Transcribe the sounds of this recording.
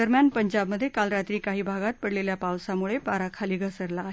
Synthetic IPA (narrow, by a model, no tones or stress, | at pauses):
əɾmjanpəɲd͡ʑabməd̪ʱːjekalɾat̪ɾiːkaɦiːbʱaɡat̪̚pəɽleljapawsamuɭepaɾakʰaliːɡʱəsəɾlaːɦe